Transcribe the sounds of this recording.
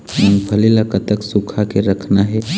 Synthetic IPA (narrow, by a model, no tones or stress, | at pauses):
ʊnpʰəlilakət̪əksukʰakeɾəkʰnaɦɛ